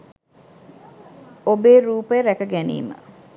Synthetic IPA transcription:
obeːɾuːpəeɾækəɡænḭːmə̰

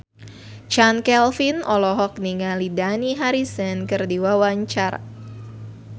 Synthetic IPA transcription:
t͡ʃankɛlfinʔɔlɔɦɔk̚niŋalidaniɦaɾisənkɨrdiwawaɲt͡ʃar

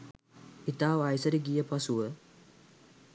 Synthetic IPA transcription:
it̪aːʋajsəɾiɡijəpasuʋə

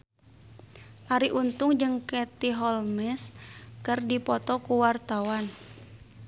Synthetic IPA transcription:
ʔaɾiʔunt̪ʊŋd͡ʒɨŋkɛt̪iɦɔlmɛskɨrdipɔt̪ɔkuwart̪awan

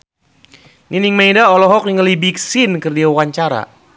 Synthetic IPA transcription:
niniŋmajdaɔlɔɦɔk̚niŋəlibiksinkərdiawaɲt͡ʃaɾa̰

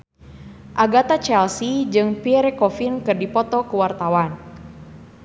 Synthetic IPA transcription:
ʔaɡat̪at͡ʃɛlsid͡ʒɨŋpiɛɾɛkɔfinkɨrdipɔt̪ɔkuwart̪awan

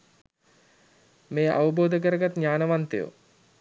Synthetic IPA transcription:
meːʔa̰ʋəboːd̪ək̬əɾəɡat̪ɲaːnəʋant̪ejo̰

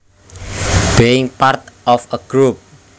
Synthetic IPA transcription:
b̥eɪŋpart̪ʔɔfəɡ̥ɾup̚

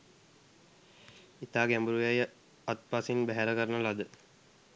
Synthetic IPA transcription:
it̪aːɡæmbuɾujajə | at̪̚pasinbæɦæɾəkəɾənəlad̪ə

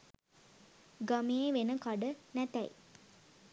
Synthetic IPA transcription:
ɡameeʋenəkaɖənæt̪æj

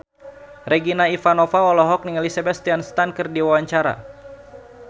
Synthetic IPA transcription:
reɡinaifanɔfaɔlɔɦɔk̚niŋalisɛbɛt̪̚st̪ianst̪ankɨrdiwawaɲt͡ʃaɾa̰

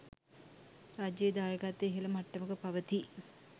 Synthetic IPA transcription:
ɾaːd͡ʒjejed̪aːjəɡat̪ːeeɦilɐmaʈːəməkəpaʋət̪i

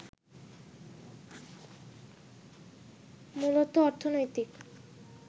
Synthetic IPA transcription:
mulot̪oɔɾt̪ʰonojt̪ik

